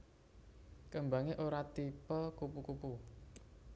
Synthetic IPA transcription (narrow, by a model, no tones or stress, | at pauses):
kəmba̤ŋeʔoɾat̪ipəkupukupu